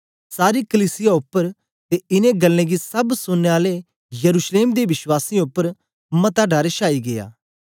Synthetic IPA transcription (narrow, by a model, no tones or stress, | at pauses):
saːɾikəliːsɪjaʊpːəɾ | t̪eɪnẽɡɐlːẽɡisɐbsʊnːeaːle | jɐɾuːʃleːmd̪eʋɪʃwaːsiʊpːəɾ | mɐt̪aɖaːɾeʃaːiɡeja̰ː